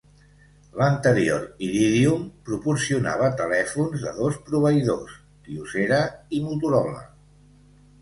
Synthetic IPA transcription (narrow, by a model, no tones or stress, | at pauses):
lənt̪əɾijo̰ɾiɾiðiumpɾupuɾsiuna̰β̞ət̪əlɛfunzðə̰ðospɾuβəiðos | t̪iuseɾəimut̪uɾɔβlə̰